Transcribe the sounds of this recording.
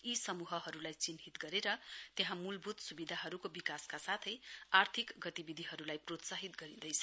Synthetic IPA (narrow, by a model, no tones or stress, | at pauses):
isʌmuɦʌɦʌɾulajt͡sinɦit̪ɡʌɾeɾʌt̪jeɦãmulbʱut̪subid̪ʱaɦʌɾukobikaskasat̪ʰʌjart̪ʰikɡʌt̪ibid̪ʱiɦʌɾulajprot̪saɦit̪ɡʌɾid̪ʌjt͡sʰʌ̥